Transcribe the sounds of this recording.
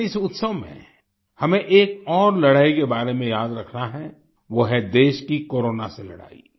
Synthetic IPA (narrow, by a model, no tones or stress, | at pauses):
ɪsʊt̪səʋmḛ̃ | hɐmẽʔeːk̚ɔːɾlɐɽaːikebaːɾemẽjaːd̪ɾɐkʰnaɦɛ | ʋoɦɛd̪eːʃkikoːɾoːnaselɐ̰ɽa̰ːḭ